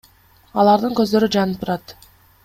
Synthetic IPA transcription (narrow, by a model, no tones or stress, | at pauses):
ɑlˠɑɾd̪ɯŋkɵ̞zd̪ø̞ɾyd͡ʒɑnɯp̚t̪ʰuɾɑt̪